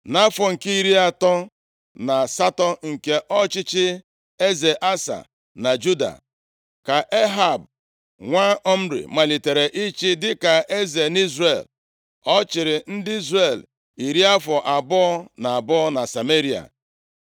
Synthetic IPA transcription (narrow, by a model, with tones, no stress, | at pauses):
na˦fɔ˨ŋ̩˨ke˦i˦ɾi˦a˨tɔ˦ | na˨sa˦tɔ˦ŋ̩˨ke˦ʔɔ˦t͡ʃɪ˦t͡ʃɪ˦ | e˦ze˨ʔa˦sa̰˨ | na˨d͡ʒu˦da̰˨ | ka˨ʔe˦ɦa˨b | ŋʷa˦ɔ˦m̩˦ɾḭ˨ma˨li˨te˨ɾe˨ʔi˦t͡ʃɪ˦dɪ˦ka˨ʔe˦ze˨ni˦zre˨l | ɔ˦t͡ʃɪ˨ɾɪ˨n̩˦dɪ˦i˦zre˨l | i˨ɾi˦a˦fɔ˨ʔa˨bɔ˦ɔ˦na˨a˨bɔ˦ɔ˦na˨sa˨me˦ɾi˦a̰˨